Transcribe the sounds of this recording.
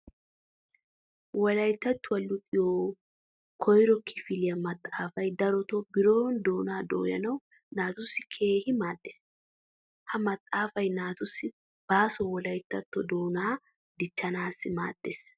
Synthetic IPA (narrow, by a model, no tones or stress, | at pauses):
wɔlɐjt̪ːɐt̪ːʊɐlːʊt̪ʼɪjoː | kʰɔjɾɔkʰɪfɪlɪjɐmɐt̪ʼːaːfɐjd̪ɐɾɔt̪ɔbɪɾo̞ːnd̪oːnaːd̪o̰ːjɐ̰nɐw | naːt̪ʊsːɪkʰe̞ːhɪmaːd̪̥ːes | hɐmɐt̪ʼːaːfɐjnaːt̪ʊsːɪ | b̥aːsɔwɔlɐjt̪ːɐt̪ːɔd̪o̞ːnaː | d̪ɪt͡ʃːɐnaːsːɪma̰ːd̪̥ːes